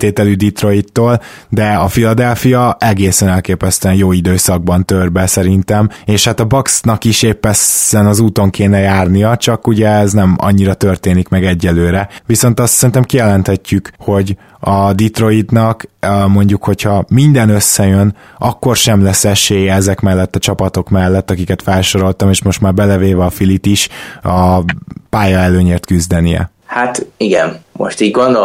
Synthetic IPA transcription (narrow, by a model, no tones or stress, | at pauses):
t̪eːt̪ɛlyd̪it̪ro̞it̪ːoːl | d̪ɛɒfilɒd̪ɛlfijɒʔɛɡeːsɛnɛlkeːpɛst̪yɛnjoːid̪øːsɒɡ̚bɒnt̪ørbɛsɛɾint̪ɛmeːʃhat̪ɒbɒksnɒkiʃeːpːɛsːɛnɒzuːt̪o̞ŋkeːnɛjaːrnijɒt͡ʃɒkuɟɛɛznɛmɒ̰ɲːiɾɒt̪ø̞rt̪eːnikmɛɡɛɟːɛlːøːɾɛʋiso̞nt̪ɒst̪sɛɾint̪ɛmkijɛlɛnt̪hɛcːykho̞ɟ | ɒd̪it̪ro̞id̪nɒkmo̞ɲɟukho̞chɒmind̪ɛnøsːɛjøn | ɒkːo̞rʃɛmlɛsːɛʃeːjɛɛzɛkmɛlːɛt̪ːɒt͡ʃɒpɒt̪o̞kmɛlːɛt̪ːɒkikɛt̪fɛlʃo̞ɾo̞lt̪ɒmeːʃmo̞ʃt̪maːrbɛlɛveːvɛɒfilit̪iʃɒpaːjɒɛløːɲeːrt̪kyzd̪ɛnijɛ̰ | hat̪iɡɛ̰nmo̰ʃt̪iːɟɡond̪o